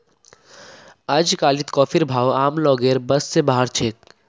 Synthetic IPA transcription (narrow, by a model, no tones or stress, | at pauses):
əd͡ʒkaːlɪt̪kɔːfʰɪɾbʱaːwaːmlɔːɡeːɾbɐsːebaːɦəɾt͡ʃʰeːk̚